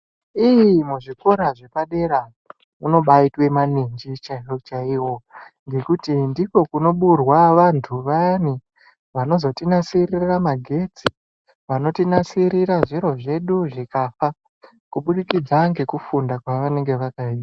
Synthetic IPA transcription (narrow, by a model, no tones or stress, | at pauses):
ijimuʐiko̞ɾaʐe̞paɗe̞ɾa | uno̞ɓaitwe̞maniɲd͡ʒit͡ʃaot͡ʃaiwo̞ŋɡe̞kutindiko̞kuno̞ɓurwaʋantʰuʋani | ʋano̞zo̞tinasiriramaɡʱe̞d͡zi | ʋano̞tinasiɾiɾaʐiɾo̞ʐe̞ɗuʐikafa | kuɓuɗikid͡zaŋɡe̞kufundakwaʋane̞ŋɡe̞ʋakaia